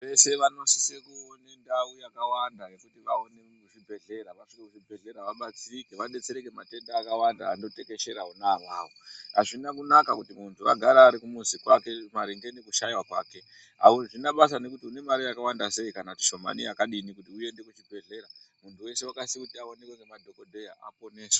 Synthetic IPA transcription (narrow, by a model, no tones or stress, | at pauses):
ʋe̞se̞ʋano̞si̥sekuone̞ndaujakawandane̞kutiʋa̰one | uʐibʱe̞ɮe̞ɾaʋaʂikekuʐibʱe̞ɮe̞ɾaʋaɓat͡sikeʋaɗe̞t͡se̞ɾekemate̞ndaːkawanda̰ːndo̞te̞ke̞ʃe̞ɾaunaʋaːwoɦa̰ʐinakunakakutimuntʰuʋa̰ɡʱaɾaːɾikumuzikwake̞maɾiŋɡenekuʃajiwakwa̰ːke̞ | ɦa̰uʐinaɓas̬ane̞kutiune̞maɾijakawandase̞ikanati̥ʃo̞ma̰nḭakaɗinikutiuje̞nde̞kut͡ʃibʱe̞ɮeɾamuntʰuwe̞se̞wakasikutiaonekweŋɡemadʱo̞ko̞dʱejaʔa̰po̞neːswa